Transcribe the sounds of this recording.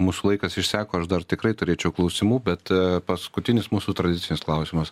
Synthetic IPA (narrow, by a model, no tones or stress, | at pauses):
muːsuːlˠɐɪkɐsɪʃsʲæːkoːɐʃd̪ɐrt̪ʲɪkɾɐɪt̪ʊɾʲeːt͡ʃʲɛʊklˠɐʊsʲɪmuːbʲɛt̪pɐskʊt̪ʲɪnʲɪsmuːsuːt̪ɾɐd̪ʲɪtsʲɪnʲɪsklˠɐʊsʲɪmɐs